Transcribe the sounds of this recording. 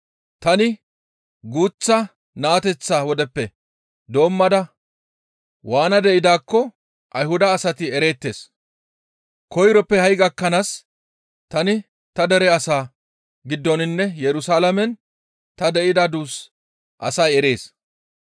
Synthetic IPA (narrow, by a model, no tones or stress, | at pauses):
t̪ɐnɪ | ɡuːt͡sːɐ | naːt̪ɛt͡sːaːwɔd̪ɛpːɛ | d̪o̞ːmːɐd̪ɐ | waːnɐd̪ɛʔɪd̪aːkːɔ | ʔɐjhʊd̪ɐːsɐt̪ɪɛɾe̞ːt̪ːe̞ːs | kɔjɾɔpːɛhɐjɡɐkːɐnas | t̪ɐnɪ | t̪ɐd̪ɛɾɛɐsaː | ɡɪd̪ːɔnɪnːɛjɛɾʊsaːlɐmɛn | t̪ɐd̪ɛʔɪd̪ɐd̪uːs | ʔɐ̰sɐjɛɾe̞ːs